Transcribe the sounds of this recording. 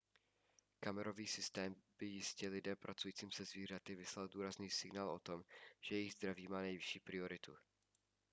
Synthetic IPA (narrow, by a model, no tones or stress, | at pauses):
kamɛɾo̞viːsɪst̪ɛːmb̥ɪjɪscɛlɪdɛpɾʔat͡sujiːt͡siːmsɛzviːr̝at̪ɪvɪslalduːɾazniːsɪɡnaːlʔo̞̰t̪o̞mʒ̥ɛjɛjɪɣzd̪ɾaviːmaːnɛjvɪʃiːpɾɪo̞ɾɪt̪u